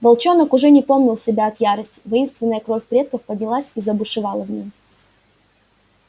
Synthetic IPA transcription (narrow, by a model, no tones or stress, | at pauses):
vɐlˠt͡ɕo̞nəkʊʐɛnʲɪpo̞mnʲɪlˠsʲɪbʲaɐt̪jaɾəsʲtʲɪ̥vɐinst̪vʲɪnːəjəkɾo̞fʲpɾʲe̞t̪̚kəfpədʲnʲɪlˠasʲizəɐbʊʂɨvɑlˠəvnʲim